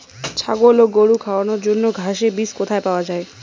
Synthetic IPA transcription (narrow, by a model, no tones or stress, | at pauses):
t͡ʃʰaɡoloɡoɽukʰawanoɾd͡ʒonːoɡʱaʃebiskot̪ʰaepaoad͡ʒae